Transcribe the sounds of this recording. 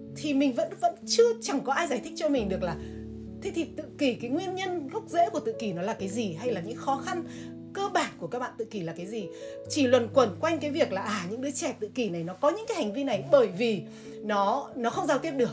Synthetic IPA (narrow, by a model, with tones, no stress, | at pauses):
t̪ʰi˨˩mï˨˩ŋ̟və̰˧˥nvə̰˧˥nt͡ɕɨ˧ət͡ɕa˨˩ŋkɔ˨˦ʔaː˧jzaː˧˩jt̪ʰï˦˥k̚t͡ɕɔ˧mï˨˩ŋ̟ɗɨ˨˩ək̚laː˨˩ | t̪ʰe˨˦t̪ʰi˨˩t̪ɨ̰˧˨ki˧˩kaː˨˦jŋwi˧ənɲə˧nɣə˦˥k͡p̚zḛ˧˥ku˧˩ət̪ɨ̰˧˨ki˧˩nɔ˨˦laː˨˩kaː˨˦jzi˨˩ɦa˧jlaː˨˩ɲɨ̰˧˥ŋxɔ˨˦xa˧n | kəː˧ɓaː˨˩nku˧˩əkaː˦˥k̚ɓa̰ː˧˨t̪ɨ̰˧˨ki˧˩˨laː˨˩kaː˨˦jzi˨˩ | t͡ɕi˧˩lwə˨˩nkwə˨˩nkwa˧jŋ̟kaː˨˦jvi˨˩ək̚laː˨˩ʔaː˨˩ɲɨ̰˧˥ŋɗɨː˨˦t͡ɕɛ˧˩t̪ɨ̰˧˨ki˧˩na˨˩jnɔ˨˦kɔ˨˦ɲɨ̰˧˥kaː˨˦jha˨˩ŋ̟vi˧na˨˩jɓəː˧˩jvi˨˩ | nɔ˨˦nɔ˨˦xə˧wŋ͡mzaː˧wt̪i˦˥ət̚ɗɨ˨˩ək̚